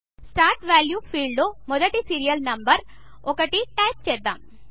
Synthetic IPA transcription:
sʈaːɾʈʋaːljuːpʰiːɭloːmɔd̪ɐʈisiːɾijɐlnɐmbɐɾ | ɔkɐʈiʈɐjp̚t͡ʃɛːd̪ːa̰ːm

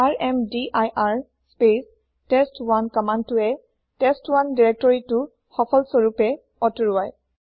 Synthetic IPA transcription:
aɹɛmdiʔajʔaɹ | spes | tɛstwankɔmantʊɛ | tɛstwandiɹɛk̚tɔɹitʊ | xɔpʰɔlsɔɹupɛ | ɔtɹuaj

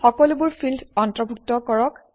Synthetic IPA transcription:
xɔkɔlubuɹpʰildʱɔntɹɔbʱuk̚tɔkɔɹɔk

